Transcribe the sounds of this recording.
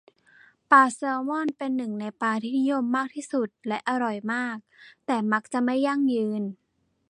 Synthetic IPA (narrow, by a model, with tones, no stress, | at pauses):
paː˧sɤː˧mɔː˥˩˨npe˧nːɯ˨˩ŋna˧jpaː˧t̪ʰiː˥˩ni˦˥jo˧˥˨mːaː˥˩k̚t̪ʰiː˥˩su˨˩t̪̚lɛ˦˥ʔa˧ɾɔ˨˩jmaː˥˩k̚t̪ɛː˨˩ma˦˥k̚t͡ɕa˨˩ʔma˥˩jːa˥˩ŋjɯː˧n